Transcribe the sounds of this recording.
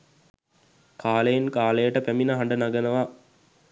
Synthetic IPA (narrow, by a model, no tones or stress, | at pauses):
kaːləjenkaːləjəʈəpæminəɦaɳɖənaɡənəʋa